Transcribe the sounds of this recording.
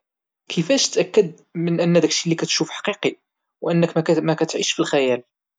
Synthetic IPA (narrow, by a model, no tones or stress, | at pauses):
kʰəfæʃt̪ʔækːəd̪̚ | mənʔənːæd̪ækʃilːikæt̪ʃufħɑ̥qiqi | wʔənːəkmækæt̪ʕiʃfilxæjæl